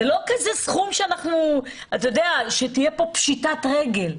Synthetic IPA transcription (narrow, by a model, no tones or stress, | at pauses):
elo̞kazesχumʃeanaχnu | at̪ajod̪eaʃetijepo̞pʃitatʁeɡe̞l